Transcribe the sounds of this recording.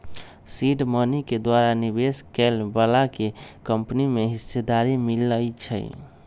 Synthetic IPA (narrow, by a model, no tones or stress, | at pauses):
siɖməniked̪waɾanibeskɛlbəlakekəmpnimeɦisːed̪aɾimiləjt͡ʃʰə̰